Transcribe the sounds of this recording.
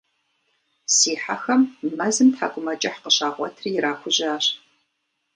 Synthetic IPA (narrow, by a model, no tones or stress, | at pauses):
siːħa̰xɐmmɐzɨmtħa̰ːɡʷʊmɐt͡ʃʼɐħqəɕaːʁʷɔ̰tʰrijɪɾaːxʷʊʑɪaːɕ